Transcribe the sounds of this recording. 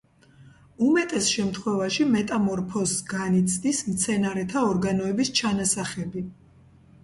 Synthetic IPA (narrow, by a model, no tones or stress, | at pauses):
umɛt̪ʼɛsʃɛmt̪ʰχwɛvaʃimɛt̪ʼamɔɾpʰɔsɡanit̪sʰd̪ismt̪sʰɛnaɾɛt̪ʰaɔɾɡanɔɛbist͡ʃʰanasaχɛbi